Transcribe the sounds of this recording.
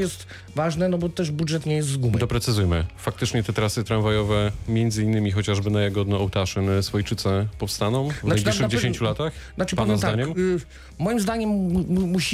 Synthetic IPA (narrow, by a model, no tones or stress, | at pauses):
jɛst̪ | vaʐnɛnɔbɔt̪ɛʐbudʐɛt̪ɲɛjɛs̬t̪zɡumd̪ɔpɾɛt̪sɘzujmɘfak̚t̪ɘt͡ʂɲɛt̪ɛt̪ɾasɘt̪ɾanvajɔvɛmʲjɛnd̪zɘinːɘmʲixɔt͡ɕaʐbɘnajɛɡɔd̪nɔːwt̪aʂɘnsfɔjt͡ʂɘt̪sɛpɔfst̪anɔ̃w̃vnajb̪ʲiʂʂɨɣd͡ʑeɕeɲt͡ɕulat̪axnat͡ʂɨpanazd̪daɲɛm | mɔjimzd̪aɲɛmmuɕi